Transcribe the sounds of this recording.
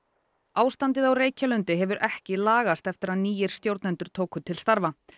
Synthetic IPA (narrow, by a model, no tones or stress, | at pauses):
aːwst̪ant̪ɪðawreːjcalʏnt̪ʏɦɛvʏɾʔɛhcɪlaːɣast̪ɛft̪ɪɾaðniːjɪɾ̥st̪jowɾt̪nɛnt̪ʏɾ̥t̪ʰoːwkʏt̪ʰɪlst̪aɾva